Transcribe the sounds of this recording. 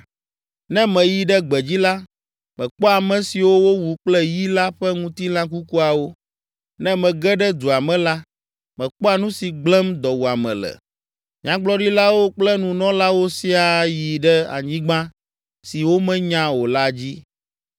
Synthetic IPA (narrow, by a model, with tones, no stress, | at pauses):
nɛ̃˦mɛ̃˨ji˨ɖɛ˦ɡ͡bɛ˨d͡ʑi˦la˦ | mɛ̃˨k͡pɔ˦a˨mɛ̃˨si˨wo˦wo˦wu˨k͡plɛ˦ji˦la˦ɸɛ˦ŋũ˦t̪i˦lã˦k̬u˦ku˦a˨wo˦ | nɛ̃˦mɛ̃˨ɡɛ˦ɖɛ˦d̪u˨a˨mɛ̃˨la˦ | mɛ̃˨k͡pɔ˦a˨nũ˦si˨ɡ͡blɛ̃˦md̪ɔ˨wu˨a˨mɛ̰̃˨lɛ̰˨ | ɲã˦ɡ͡blɔ˦ɖi˦la˦wo˦k͡plɛ˦nũ˨nɔ̃˦la˦wo˦si˦a˨ji˨ɖɛ˦a̰˨ɲĩ˦ɡ͡bã˦ | si˨wo˦mɛ̃˦ɲã˦wo˨la˦d͡ʑi˦